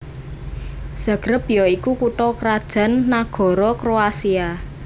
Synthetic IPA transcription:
sa̤ɡ̥ɾəpjɔikukuʈɔkəɾad̥ʒ̥a̤nːaɡ̥ɔ̤ɾɔkɾoasia

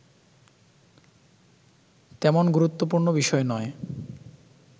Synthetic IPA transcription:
t̪ɛmonɡuɾut̪ːopuɾnobiʃɔenɔe

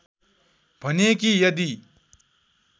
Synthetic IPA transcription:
bʱʌnek̬ijʌd̪i

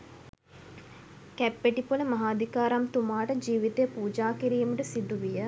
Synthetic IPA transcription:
kæpːeʈipuləmɐɦaːd̪ikaːɾamt̪umaːʈəd͡ʒiːʋit̪ejəpuːd͡ʒaːkiɾiːməʈəsid̪uʋijə

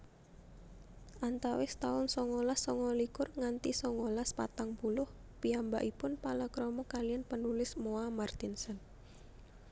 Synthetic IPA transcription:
ʔant̪awɪst̪aʊnsɔŋolasːɔŋɔlikʊrŋant̪isɔŋolaspa̰t̪aŋpulʊh | piamba̰ʔipʊnpalakɾɔmɔkalijanpənulɪsmoamart̪ɪnsən

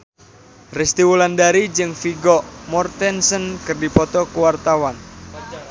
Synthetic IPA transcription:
rɛst̪iwulandaɾid͡ʒɨŋfiɡɔmɔrt̪ɛnsənkɨrdipɔt̪ɔkuwart̪awan

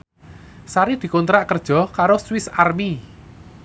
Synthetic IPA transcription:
saɾid̪̥i̤kont̪ɾaʔkərd̥ʒ̥ɔ̤kaɾoswɪsarmi

